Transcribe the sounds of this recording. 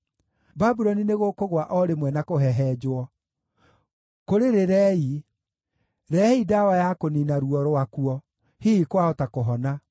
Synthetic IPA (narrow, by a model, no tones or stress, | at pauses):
babuɾɔnineɣokoɣwaʔɔɾemwɛnakoɦɛɦɛd͡ʒwɔ | koɾeɾeɾɛːi | ɾɛidawajakoninaɾuɔɾoakuɔ | hiikwaɔtakoɦɔna